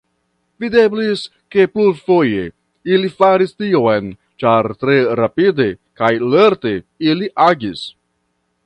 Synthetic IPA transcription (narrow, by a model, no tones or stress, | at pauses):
vide̞blis | ke̞plufo̞je̞ | ilifaɾistioen | t͡ʃaɾtɾe̞ɾapide̞kajle̞ɾte̞ | iliʔaɡis